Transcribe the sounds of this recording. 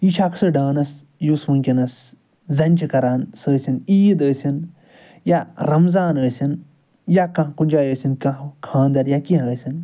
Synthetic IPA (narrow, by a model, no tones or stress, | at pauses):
it͡ʃʰaksɨɖaːnɐs | juːsmɐŋkʲinɐs | zɐnʲt͡ʃikɐɾaːnsəːsiniːd̪əːsʲin | jaɾɐmzaːnəːsʲin | jakɐ̃kunʲd͡ʒaːjəːsʲinkɐ̃ɦkʰãːnd̪ɐɾjakiɦəːsʲin